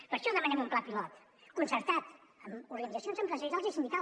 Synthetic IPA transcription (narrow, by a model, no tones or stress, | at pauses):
pəɾʃɔðəmanɛmumplapilɔt̪ | kunsəɾt̪at̪ | əmuɾɣənizəsionzəmpɾəzəɾizalˠzisind̪ika